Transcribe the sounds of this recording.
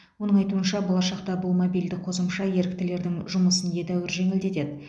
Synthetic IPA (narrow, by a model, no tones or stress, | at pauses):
wo̞nəɴɑjt̪uənʃɑbo̞lˠɑʃɑqt̪ɑbʊlˠmobijld̪ɪqʰo̞səmʃɑje̞ɾɪk̚t̪ɪle̞ɾd̪ɪŋʒʊməsənje̞d̪æwɪɾʒe̞ŋɪld̪e̞t̪e̞d̪ɪ